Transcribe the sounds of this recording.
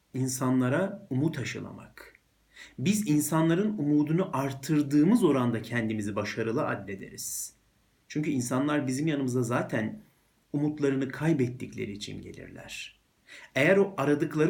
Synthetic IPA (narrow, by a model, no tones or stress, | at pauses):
insanlˠaɾaumut̪ʰaʃɯlˠa̰ma̰k | bizinsanlˠaɾɯnumuːd̪unuʔaɾt̪ʰːɯɾd̪ɯːmɯzo̞ɾand̪acʰɛnd̪imizibaʃaɾɯlˠɯa̰d̪lʲe̞d̪e̞̰ɾiz̥ | t͡ʃʰyɲcyinsanlˠaɾbizimjanɯmɯzazaːt̪ʰæn | umut̪lˠaɾɯnɯkʰajbɛt̪ːiclʲe̞̰ɾiːt͡ʃʰḭnɟelʲḭɾlʲæ̰ɾ̥ | ejæɾoʔaɾad̪ɯklˠaɾ